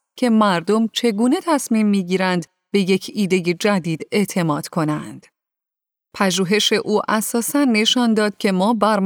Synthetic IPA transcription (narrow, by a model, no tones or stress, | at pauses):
cʰe̞mæɾd̪o̞mt͡ʃʰe̞ɡuːne̞t̪ʰæsmiːmːiːɟiːɾænd̪ | b̥e̞je̞cʰiːd̪e̞je̞d͡ʒæd̪iːd̪̥e̞ʔt̪ʰe̞mɒːd̪̥kʰo̞nænd̪̥ | pʰæʒuːɦe̞ʃe̞ʔuːʔæsɒːsænːe̞ʃɒnd̪ɒːd̪̥̚cʲʰe̞mɒːbæɾm